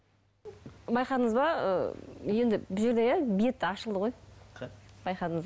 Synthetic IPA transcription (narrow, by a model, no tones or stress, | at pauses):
bɑjqɑt̪əŋəzbɑə̰je̞nd̪ɪbɪzʒeɾd̪e̞jæbije̞t̪ːɪɑʃəlˠd̪əʁo̞j | bɑjqɑd̪əŋəz